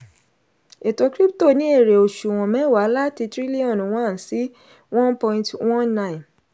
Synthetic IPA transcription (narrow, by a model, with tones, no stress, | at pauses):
e˨to˧kɾi˦pto˦˨nĩ˦e˦˨ɾe˨o˨ʃu˨w̃ɔ̃˨mɛ̃˨˦wa˨˦la˦ti˧tɾi˦li˦ɔ̃˦˨n˨w̃ɔ̃˦˨n˨si˨˦ | wɔ̃˦npɔ̃˧ĩ˧ntwɔ̃˦nnã˦˨ĩ˨n